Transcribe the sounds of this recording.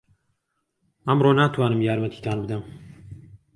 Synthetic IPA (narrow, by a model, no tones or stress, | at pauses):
amɾonat̪ʰuanɨmjaɾmat̪ʰi̥t̪ʰʲanbd̪am